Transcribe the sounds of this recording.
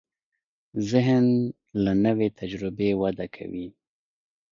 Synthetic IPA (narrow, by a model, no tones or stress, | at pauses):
zɪɦn | lanəwet̪ʰad͡ʒɾɪbewad̪akʰa̰wi